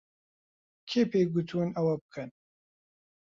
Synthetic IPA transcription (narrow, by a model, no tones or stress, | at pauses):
kʰeːpeːɡut̪ʰunɐwɐbɨkʰɨn